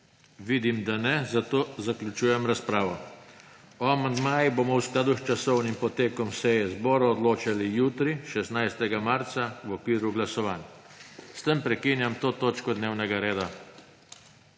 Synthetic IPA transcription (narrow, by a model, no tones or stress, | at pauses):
ʋiːd̪imd̪anɛzat̪oːzaklʲjut͡ʃuːjɛmɾaspɾaːʋɔ | ɔamand̪maːjiboːmɔwsklad̪uxt͡ʃasɔwnimpɔt̪eːkɔmsɛjɛzbɔːɾɔɔd̪loːt͡ʃalijuːt̪ɾiʃɛsnajst̪ɛɡamaɾt̪sawɔkʋiːɾuɡlasɔʋaːnjast̪əmpɾɛkinjamt̪oːt̪oːt͡ʃkɔd̪neːwnɛɡaɾeːd̪a